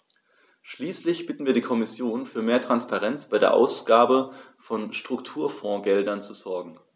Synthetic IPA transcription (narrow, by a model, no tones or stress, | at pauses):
ʃliːslɪçb̥ɪtn̩viːɐɾiːkʰɔmɪsjoːnfyːɐmeːɐtʁ̥anspaʁɛnt͡sb̥aɪdḛːɐʔa̰ʊsɡ̥aːbə | fɔnʃtʁ̥ʊktʰuːɐfɔ̃ːɡɛldɐnt͡suzɔɐɡŋ̩